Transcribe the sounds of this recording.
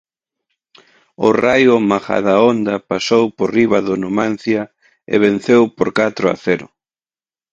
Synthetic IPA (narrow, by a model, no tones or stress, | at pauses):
ʊrajʊmaxa̰ðaond̪ɐpasowporiβɐðʊnomãn̟θjɐ | ḛβen̟θewpoɾkat̪ɾʊa̰θɛɾʊ̰